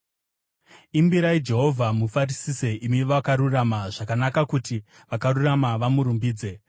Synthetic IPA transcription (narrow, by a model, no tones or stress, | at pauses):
imbiɾaid͡ʒe̞ɦo̞vʱamufarisise̞ʔimiʋakaɾuramaʐakanakakuti | ʋakaɾuramaʋamuɾumbiːd͡ze̞